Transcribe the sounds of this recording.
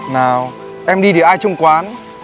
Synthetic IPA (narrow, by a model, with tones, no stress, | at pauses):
naː˨˩w | ʔɛ˧mɗi˧ɗi˨˩ʔaː˧jt͡ɕʊ˧ŋ͡mkwaː˨˦n